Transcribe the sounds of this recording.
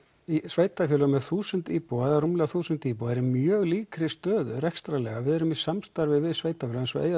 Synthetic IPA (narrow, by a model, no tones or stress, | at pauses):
isveːjt̪afjœːlamɛðθuːsʏnt̪iːpowɛðarumlɛɣaθuːsʏnt̪iːpowɛɾɪmjœːɣliːkɾɪst̪œːðʏɾɛkst̪ɾalɛɣavɪðɛɾʏmisamst̪aɾvɪvɪðsveːjt̪afœlaɛnsɔ̰ʔeːja